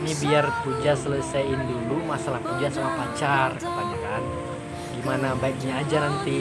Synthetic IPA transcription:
nibiarpud͡ʒasələsajɪndulumasalahpud͡ʒasamapat͡ʃarkə̥panakan | ɡimanabaik̚ɲaːd͡ʒanant̪i

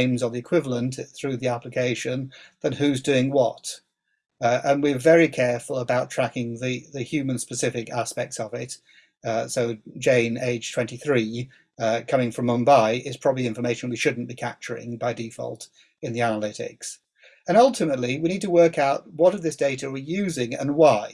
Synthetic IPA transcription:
ɪ̃mzəvðiɨkʰw̥ɪvəl̩ˠə̃nθɹʉðiæplɪkʰeɪʃɨ̃nðə̃nhʉzdʉɪ̃ŋwɒt | ʔə̃nwɪvɛɹikʰɛɹfəlˠəbaʊtʰɹ̥ækɪ̃ŋðɨðɨhjʉmə̃nspəsɪfɪkæspɛk̚tsəvɪt | soʊd͡ʒẽɪ̃neɪd̥ʒ̥tʰw̥ɛ̃ntiθɹi | kʰʌmɪ̃ŋfɹʌ̃mːʌ̃nbaɪʔɪtspʰɹ̥ɑbəbliɪ̃ɱfə˞meɪʃə̃nwiʃʊdⁿn̩b̥ikʰæp̚t͡ʃə˞ɪ̰̃ŋbaɪdifɒ̰lˠt | ɨ̃nðiænəlɪɾɪ̰ks | ə̃nʌlˠtɨmətˡliwiñid̚tʰəwɜ˞kaʊt̚wʌɾəvðɪsd̥eɪɾəə˞wijʉzɪ̃ŋə̰̃nwaɪ

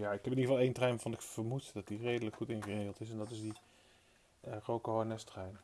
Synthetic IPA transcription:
jaːɪkɛpɪniəvɑlˠejntrɛjnvɔnɪkfəɹmutdɑt̚direjdələkχutɪnχəreːχəlˠtɪsɛndɑtɪsdi | rowkəɦɔɹnɛstrɛjn

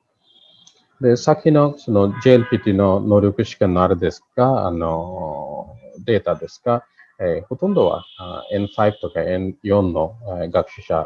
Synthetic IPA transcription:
d̪ɛsakʰinɔksunɔd͡ʒelpʰit̪inɔnɔɾjukiʃkɛnaɾd̪eskaa̰nɔ | d̪et̪ad̪eska | hut̪und̪ɔwa̰ɛnpʰajb̚t̪ɔkaɛnjɔnːɔɡakʃiʃa̰

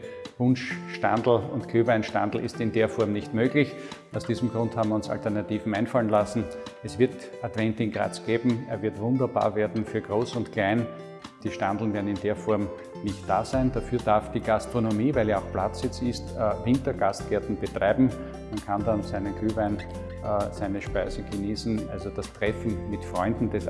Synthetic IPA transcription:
vʊnʃʃtand̪l̩ʊntkʰyːvæɪnʃtãndl̩ʔɪ̰stɪndeːɐfɔɐmnɪçtmøːɡlɪç | ɑʊsd̥iːzm̩ɡʁʊ̃nthabmvʲiʊ̃nsa̰ltəɐnatiːvn̩æ̃ɪnfalənlasn̩ɛsv̥ɪɐtatvɛ̃ntɪŋɡʁa̰ːt͡sɡ̥eːbm̩eɐvɪɐtvʊ̃ndɐba̰ːɐveːɐdn̩fyːɐɡʁoːsʊntkʰl̥aɪn | d̥iːʃtandl̩n̩veɐdn̩ɪndeːɐfɔɐm | nɪçtd̥a̰ːzæɪndafyːɐdaɐfd̥iːɡ̥astʁ̥onomiːvæɪljaɑʊxplat͡sɪt͡sɪstːvɪ̃ntɐɡ̥ast̚ɡ̥ɛɐtn̩b̥ətʁ̥aɪbm̩ | mankʰandansæɪnənkʰyːvæɪnː | sæɪnəʃpæɪzəɡ̥əniːsn̩ʔa̰lzod̥astʁ̥ɛfn̩mɪtfʁɔʏndn̩d̥ɛs

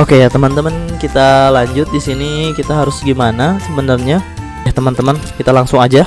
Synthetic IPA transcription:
ʔokejat̪əmənt̪əmənkit̪alaɲd͡ʒʊt̪̚disinikit̪aɦaɾʊsɡimanasəbənərɲa | jaht̪əmənt̪əmənkit̪alaŋsʊŋad͡ʒa

